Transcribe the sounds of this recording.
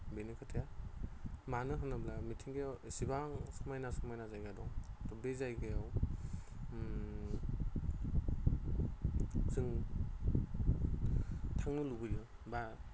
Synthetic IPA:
benikʰɯtʰeja | manɯɦɯnablamitʰiŋɡajawsibaŋsɯmajnasɯmajnazajɡadɔŋtɔbezajɡajaw | zɯŋ | tʰaŋnɯlubɯjɯ | ba

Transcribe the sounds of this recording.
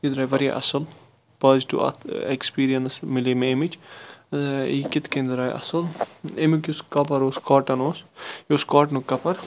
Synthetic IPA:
id̪ɾaːjʋɐɾja̰ʔɐ̰sɐl | pɐzʈṵɐ̰ekspiːɾijɐnsmɪlemeemit͡ʃ | ikɪt̪ʰkend̪ɾaːjʔɐ̰sɐlemikʲuskɐpɐɾoːskaːʈɐnoːsjoskaːʈnukɐpɐɾ

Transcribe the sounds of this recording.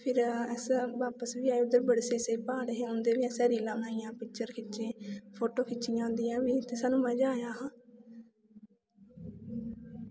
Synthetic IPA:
pʰɪɾɛsʋaːpəsʋiːaːʊd̪əɾbəɽseːseiːpaːɽɦẽːʊnd̪eːʋiːɛ̃ːsɛːɾiːlãːbnaːijãːpɪk̚t͡ʃəɾkʰɪt͡ʃẽːpʰoːʈoːkʰɪt͡ʃɪjãːʊ̃nd̪iːãːʋiːt̪eːsaːnũːməd͡ʒaːjaːɦãː

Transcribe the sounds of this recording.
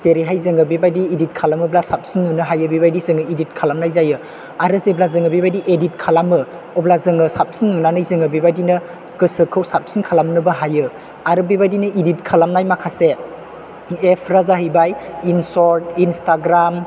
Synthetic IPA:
zeɾiɦajzɯŋɯbibajdiːdit̚kʰalamɯblasap̚sinːɯnɯɦajɯbibajdizɯŋɯidit̚kʰalamnajzajɯ | aɾɯzeblazɯŋɯbibajdiʔedit̚kʰalamɯ | ɔblazɯŋɯsap̚sinːɯnanɯjzɯŋɯbibajdinɐ | kɯsɯkʰɯwsap̚sinkʰalamnɯbɐɦajɯ | aɾɯbibajdinɯʔidit̚kʰalamnajmakʰase | epʰɾazaɦɯjbajinsɔɾtinstaɡɾam

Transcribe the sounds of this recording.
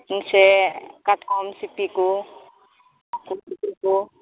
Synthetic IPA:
ŋsɛkat̪̚kɔmsipiku | kumipiku

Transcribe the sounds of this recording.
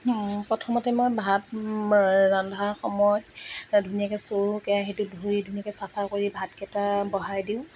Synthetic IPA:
pɹɔtʰɔmɔtɛmojbʱat̚ | ɹandʱaxɔmɔjdʱunijakɛsoɹukɛjaxetʊdʱuɹidʱunijakɛsapʰakoɹibʱatkɛtabɔɦajdiʊ̃

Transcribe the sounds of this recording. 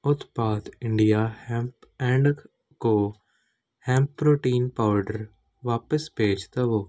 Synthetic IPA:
ʊt̪baːt̪ɪ̃ɳɖijaːhɛ̃ːmpɛ̃ːɳɖ | koː | hɛ̃ːmpːɾoːʈiːnpaːʋəɖəɾ | ʋaːpəsbeːd͡ʒt̪aʋoː

